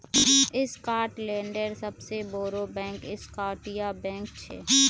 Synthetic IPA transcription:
ɪskaːɾʈlẽːɳɖəɾsɐbseboːɾobɛ̃ːŋkɪskaːʈijabɛ̃ːŋkt͡ʃʰḛː

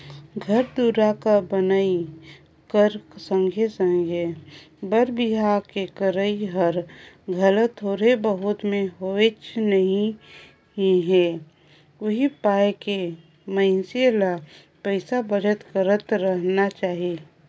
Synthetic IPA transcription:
ɡʱəɾd̪uːɾakabənaːi | kəɾsə̃ŋɡʱesə̃ŋɡʱje | bəɾbɪɦaːɾkekəɾəiɦəɾ | ɡʱələt̪oːɾebəɦʊt̪mẽɦoet͡ʃnəɦĩ | ĩɦɛ | ʋɐɦipaːjke | məɪnsila | pəɪsabəd͡ʒət̪kəɾət̪ɾəɦnat͡ʃaːɦie

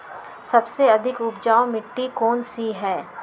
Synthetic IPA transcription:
sɐbseɐd̪ʱɪkʊpd͡ʒaːomɪʈːikɔːnsiɦɛː

